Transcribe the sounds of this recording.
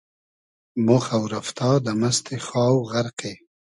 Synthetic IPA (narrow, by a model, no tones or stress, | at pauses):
mʊxawɾaft̪ʰɑːd̪əmast̪ʰexɑːwɣaɾqe